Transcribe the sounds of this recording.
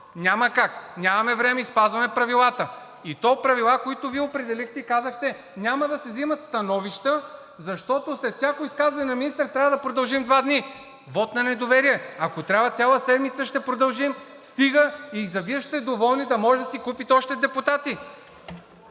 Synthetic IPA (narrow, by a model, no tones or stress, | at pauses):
nʲamɐkaknʲamɐmɛvɾɛmɛispazvɐmɛpɾɐvilˠat̪ə | it̪ɔpɾɐvilˠakoit̪ʊviɛopɾɛd̪ɛlixt̪ɛikazəxt̪ɛ | nʲamɐd̪ɐsɛzimɐt̪st̪ɐnɔviʃt̪ə | zɐʃt̪ɔt̪oslɛt̪sʲakoiskazvɐnʲɛnɐminist̪ɾt̪ɾʲavəd̪ɐpɾod̪ɐlˠʒimd̪vad̪ni | vɔt̪nɐnɛd̪ovɛɾiɛɐkot̪ɾʲavɐt̪sʲjalˠəsɛd̪mit̪səʃt̪ɛpɾod̪ɐlˠʒim | st̪iɡəizɐviɛʃt̪ɛd̪ovɔlˠnid̪ɐmɔʒɛd̪ɐsikupit̪ɛɔʃt̪ɛd̪ɛput̪at̪i